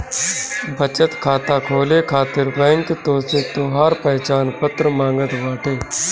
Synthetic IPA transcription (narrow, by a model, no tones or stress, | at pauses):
bʱət͡ʃət̪kʰaːt̪aːkʰoːleːkʰaːt̪ɪɾbɛ̃ːŋket̪oːseːt̪oːɦaːɾpəɦt͡ʃaːnpət̪ɾəmãːŋɡət̪ʋaːʈʰeː